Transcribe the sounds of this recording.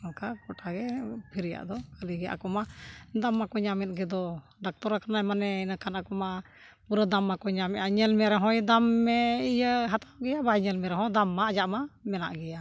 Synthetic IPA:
ɔnkakɔʈaɡɛpʰiɾɛja̰ʔd̪ɔkaliɡɛʔa̰kɔmad̪amːakɔɲamɛt̪̚ɡɛd̪ɔ | ɖak̚t̪ɔɾakanajmanɛinəkanakɔma | puɾəd̪amːakɔɲamɛʔʔaɲɛlmɛɾɛɦɔ̃jd̪amːɛijəɦat̪awɡɛjabaɲɛlmɛɾɛɦɔ̃d̪amːaːd͡ʒaʔmamɛna̰ʔɡɛja

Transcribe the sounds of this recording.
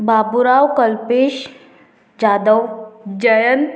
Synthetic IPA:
babuɾawkəlpeːɕ | d͡ʑad̪əwd͡ʑəjən

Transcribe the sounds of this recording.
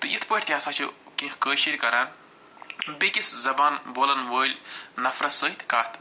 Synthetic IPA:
t̪ɨit̪ʰpəʈʰʲt̪ʲiɐsaːt͡ʃʰukĩxkəːʃiɾʲkɐɾaːn | bikiszɐbaːnboːlɐnʋəːlʲnɐfɾɐsəːɦit̪ʲkaːt̪

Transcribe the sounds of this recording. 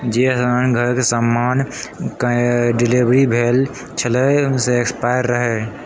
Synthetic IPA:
d͡ʒesənɡʱəɾkesəmːankɖilibɾibʱel | t͡ʃʰələseːkspaɪɾːəɦɛ

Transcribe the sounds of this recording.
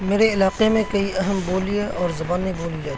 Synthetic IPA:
meːɾeɪlaːqemẽkɐiʔɐɦəmboːlieʔɔːɾzɐbaːniboːlijeː

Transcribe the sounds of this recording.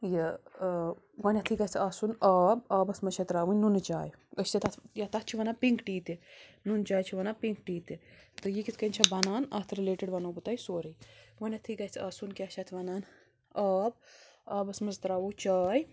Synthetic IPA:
jə | ɡɐnʲɐt̪ʰiɡɐjt͡sʰaːsunaːbaːbɐsmɐt͡ʃʰɐt̪ɾaːʋunʲnunt͡ʃa̰ːj | əst̪et̪ɐt̪ʰjɐt̪ɐt̪̚t͡ʃʰiʋɐnaːpiŋkʈiːt̪inunt͡ʃaːjt͡ʃʰiʋɐnapiŋkʈiːt̪it̪ɨjikit̪ʰkɐnʲt͡ʃʰɐbɐnaːnɐ̰t̪ʰɾileːʈeɖʋɐnoːbɨt̪aːjsoːɾɨjwɐnʲɐt̪ʰikɐjt͡sʰaːsunkʲat͡ʃʰɐt̪ʰʋɐnaːn | aːb̚aːbɐsmɐzt̪ɾaːʋut͡ʃaːj

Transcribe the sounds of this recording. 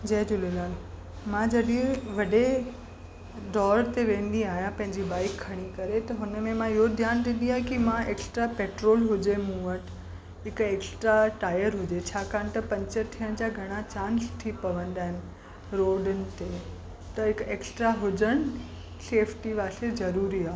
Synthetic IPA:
d͡ʑɐɦd͡ʑʊlelaːl | mãd͡ʑɐɗiẽʋɐɖe | ɖɔːɾt̪eʋẽːnd̪iaːɦijãpɐ̃ɦɪ̃ɲd͡ʑibaːɪkʰːɐɽ̃ikɐɾet̪ɐɦʊnəmẽmãɪɦod̪ʱjaːnd̪ɪ̃n̆d̪iaːɦẽkimãeːksʈɾapeːʈɾoːlɦʊd͡ʑemũːəʈ | ɦɪkeːksʈɾaʈaːjəɾɦʊd͡ʑet͡ɕʰaːkaːnɪt̪ɐpɐ̃ɲt͡ɕət̪ʰijəɽ̃d͡ʑaːɡʱɐɽ̃at͡ɕãːnst̪ʰipɐʋə̃nd̪aːɦɪnɪ̆ | ɾoːɖənɪ̆t̪e | t̪ɐɦɪkeːksʈɾaɦʊd͡ʑəɽ̃ | seːfʰʈiʋaːsezɐɾuːɾiaːɦ

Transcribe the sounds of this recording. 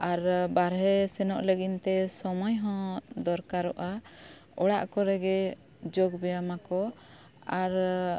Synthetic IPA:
aɾbaɾɦɛsɛnɔʔləɡint̪ɛsɔmɔjɦɔ̃d̪ɔɾkaɾɔʔa | ɔɽa̰ʔkɔɾɛɡɛ | d͡ʒoɡbɛjamakɔ | aɾ

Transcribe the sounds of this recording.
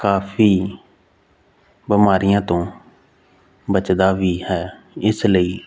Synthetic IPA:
kaːfiː | biːmaːɾɪjãːt̪õː | bət͡ʃd̪aːʋiːhɛː | ɪsləiː

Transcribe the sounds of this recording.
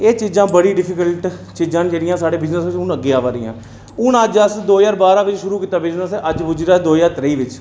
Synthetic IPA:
eːt͡ʃiːzãːbəɽiːɖɪpʰɪkəlʈt͡ʃid͡ʒãːnd͡ʒeːɽɪjãːsaːɽeːbɪznəsʋɪt͡ʃʊnəɡɪaːʋaːɾɪjã̰ː | ʊnəd͡ʒəsd̪oːjaːɾbaːɾãːʋɪt͡ʃʃʊɾuːkiːt̪aːbɪd͡ʒnəsɛʔəd͡ʒbʊd͡ʒiːɾaːd̪oːjaːɾt̪ɾəiːʋɪt͡ʃ

